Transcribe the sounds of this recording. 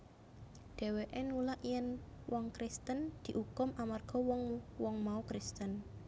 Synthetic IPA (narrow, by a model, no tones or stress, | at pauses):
ɖ̪̥e̤weʔɛnulaʔjɛnwɔŋkɾist̪ənd̪̥i̤ʔukʊmʔamarɡ̥ɔ̤wɔŋwɔŋmaukɾist̪ən